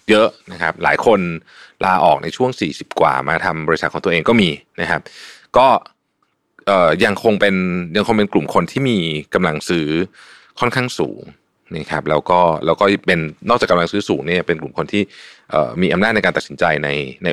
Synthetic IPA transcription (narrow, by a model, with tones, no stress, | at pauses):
jɤ˦˥ʔna˦˥kʰa˦˥p̚la̰ː˩˦jkʰo˧n | laː˧ʔɔ̰ː˨˩k̚na̰˧jt͡ɕʰu˥˩əŋsiː˨˩si˨˩p̚kwa̰ː˨˩maː˧t̪ʰa˧mbɔː˧ɾi˧˥sa˨˩ɔː˩˦t̪ːeː˧ŋkɔː˥˩miː˧na˦˥kʰa˦˥p̚kɔː˥˩ | ʔɤː˨˩ja˧ŋkʰo˧ŋpe˧nja˧ŋʰo˧ŋpe˧nklu˨˩mkʰo˧nt̪ʰiː˥˩miː˧ka˧mla˧ŋsɯː˦˥ | kʰɔ˥˩nkʰaː˥˩ŋsṵː˩˦ŋ | na˦˥kʰa˦˥p̚lɛː˦˥wkɔː˥˩lʔɛː˦˥wkɔː˥˩pe˧nːɔː˥˩k̚aː˨˩ka˧mla˧ŋsɯː˦˥suː˩˦ŋni˥˩ɐpe˧nklu˨˩mkʰo˧nt̪ʰiː˥˩ʔɤ̰ː˨˩miː˧ʔa˧mna˥˩n˧jkaː˧nt̪a˨˩si˩˦nt͡ɕa˧jna˧jna˧j